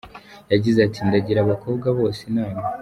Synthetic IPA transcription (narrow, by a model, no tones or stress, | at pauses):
jaɟizatindaɟiɾaβakʰo̞ːbɡaβo̞ːsenaːma